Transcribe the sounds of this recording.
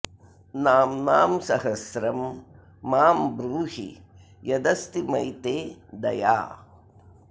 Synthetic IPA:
naːmnaːmsɐɦɐsɾɐmː | aːmbɾuːhḭ | jɐd̪ɐst̪imɐjt̪eːd̪ɐ̰ja̰ː

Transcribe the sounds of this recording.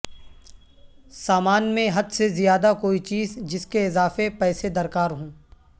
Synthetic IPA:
saːmaːnmẽɦɐd̪sezijaːd̪akoːit͡ʃiːzd͡ʒɪskeɪzaːfepɛːsed̪ɐɾkaːɾɦũː

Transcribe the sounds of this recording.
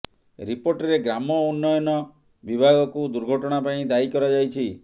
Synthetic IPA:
ɾipoɾʈɔɾeɡɾamɔunːɔjɔnɔ | bibʱaɡɔkud̪uɾɡʱɔʈɔɽ̃apaĩd̪aikɔɾad͡ʒajt͡ʃʰi

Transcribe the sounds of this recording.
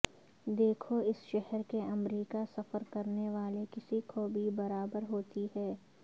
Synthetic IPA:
d̪eːkʰoɪsʃɛɦɛɾkeɐmɾiːkasɐfəɾkɐɾneʋaːlekɪsikobʱibɐɾaːbəɾɦoːt̪iɦɛː

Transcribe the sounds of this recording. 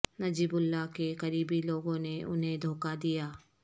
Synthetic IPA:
nɐd͡ʒiːbʊlːakekɐɾiːbiloːɡõneʔʊ̰nɦẽd̪ʱoːkad̪ijaː

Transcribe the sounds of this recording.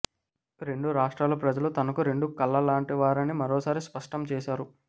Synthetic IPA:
ɾe̞ɳɖuɾaːʂʈɾaːlɐpɾɐd͡ʒɐlut̪ɐnɐkuɾe̞ɳɖukɐlːɐlaːɳʈiʋaːɾɐnimɐɾoːsaːɾispɐʂʈɐmt͡ʃɛːʃaːɾu

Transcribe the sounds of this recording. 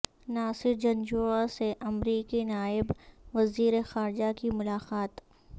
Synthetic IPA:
naːsɪɾd͡ʒɐ̃nd͡ʒoːaseʔɐmɾiːkinaːɪbʋɐziːɾexaːɾɪd͡ʒakimʊlaːqaːt̪

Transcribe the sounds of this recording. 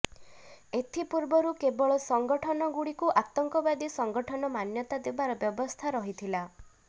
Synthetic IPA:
et̪ʰipuɾbɔɾukebɔɭɔsɔŋɡɔʈʰɔnɔɡuɽikuʔat̪ɔŋkɔbad̪isɔŋɡɔʈʰɔnɔmanjɔt̪ad̪ebaɾɔbjɔbɔst̪ʰaɾɔɦit̪ʰila

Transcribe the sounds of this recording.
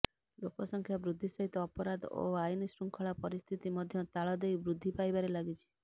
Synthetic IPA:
lokɔsɔŋkʰjabɾud̪ʱːisɔɦit̪ɔːpɔɾad̪o̰ajnisɾuŋkʰɔɭapɔɾist̪ʰit̪imɔd̪ʱjɔt̪aɭɔd̪ejbɾud̪ʱːipajbaɾelaɡit͡ʃʰi̥

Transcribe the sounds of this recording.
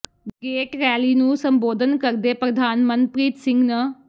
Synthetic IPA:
ɡeːʈɾɛːliːnũːsəmboːd̪ʱənkəɾd̪eːpɾəd̪ʱaːnmənpɾiːt̪sɪ̃ŋɡnəː

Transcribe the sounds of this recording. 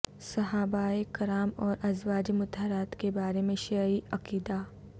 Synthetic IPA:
sɐɦaːbaːekɐɾaːmɔːɾʔɐzʋaːd͡ʒimʊt̪ɦɾaːt̪kebaːɾemẽʃaiɐkiːd̪aː

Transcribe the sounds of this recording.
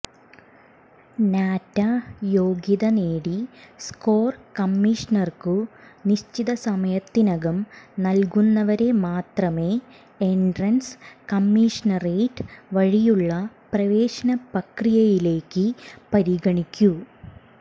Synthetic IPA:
naːtːajo̞ːɡiðɐneːɽisko̞ːrkɐmːiʂɐnɐrkuniɕt͡ɕiðɐsɐmɐjɐt̪ːinɐɡɐmnɐlkunːɐʋɐɾe̞maːt̪rɐme̞ː | eɳɖrɐnskɐmːiʂɐnɐreːʈʋɐɻijuɭːɐprɐʋe̞ːɕɐnɐpɐkrijɐjile̞ːkːɨpɐɾiɡɐɳikʲːu

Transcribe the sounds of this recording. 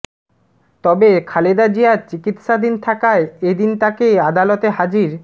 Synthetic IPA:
t̪ɔbekʰaled̪ad͡ʑijaɾt͡ɕikit̪ʃad̪int̪ʰakaeed̪int̪akead̪alot̪eɦad͡ʑiɾ

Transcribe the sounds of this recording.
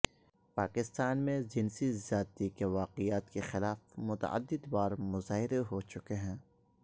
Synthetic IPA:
paːkɪst̪aːnmẽd͡ʒɪnsizjaːt̪ikeʋaːqɪjaːt̪kexɪlaːfmʊt̪ɐ̰ʔə̰d̪ːɪd̪waːɾmʊzaːɦɪɾeɦot͡ʃʊkeɦɛ̃ː

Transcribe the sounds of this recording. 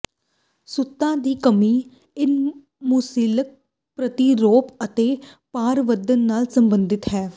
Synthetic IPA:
sʊt̪ːãːd̪iːkəmiː | ɪn | muːsiːlək̚ | pɾət̪iːɾoːpət̪eːpaːɾʋəd̪ənːaːlsəmbənd̪ɪt̪ɦɛː

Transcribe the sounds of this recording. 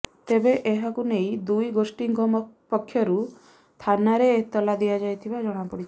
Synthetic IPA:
t̪ebeʔeɦakunej̃d̪ujɡosʈiŋɡɔmɔpɔkʰːjɔɾu | t̪ʰanaɾeːt̪ɔlad̪ijad͡ʒajt̪ʰibad͡ʒɔɽ̃apɔɽit͡ʃʰ

